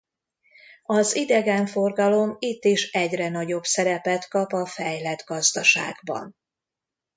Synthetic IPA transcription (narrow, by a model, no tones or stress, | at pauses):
ɒzid̪ɛɡɛɱfo̞rɡɒlo̞mit̪ːiʃɛɟrɛnɒɟo̞bsɛɾɛpɛt̪kɒpɒfɛjlɛd̪ɡɒzd̪ɒʃa̰ːɡbɒ̰n